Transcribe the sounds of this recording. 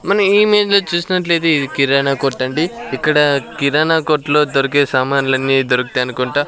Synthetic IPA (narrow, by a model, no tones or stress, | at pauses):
mɐnɐmiːme̞ːd͡ʒloːt͡ʃuːsinɐʈle̞ːd̪eiikiɾaːnaːkoːɾʈːɐɳɖiikːɐɽɐkiɾaːnaːkoːɾʈlo̞ːd̪oɾukeːsaːmaːnulɐnːid̪oɾukut̪eɐnukuɳʈaː